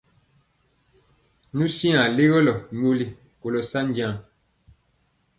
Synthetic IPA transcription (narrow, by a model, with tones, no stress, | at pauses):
nu˦si˦a˨le˦ɣɔ˦lɔ˨ɲo˦li˦ | ko˨lɔ˨sa˦n˦dã˦˨ŋ